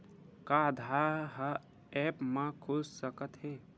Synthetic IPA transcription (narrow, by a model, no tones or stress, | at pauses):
kaːd̪ʱaɦa | ɛpmãkʰʊssəkət̪ɦeː